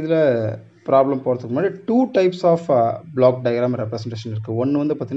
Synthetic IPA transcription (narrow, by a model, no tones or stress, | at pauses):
ɪðɐlɐ | pɾaːblɐmpoːɾɐt̪ːɯkːɯnaːɾiʈuːʈɐɪpsaːfblaːk̚ɖɐɪɡɾaːmɾɛpːɾɛsɛɳʈeːʃɐnɪɾɯkːɯɔnːɯʋɐnd̪ɯpɐːt̪ːɪn